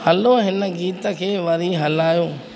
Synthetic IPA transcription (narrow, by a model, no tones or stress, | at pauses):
ɦɐloɦɪnəɡiːt̪əkʰeːʋɐɾiɦɐlaːjoː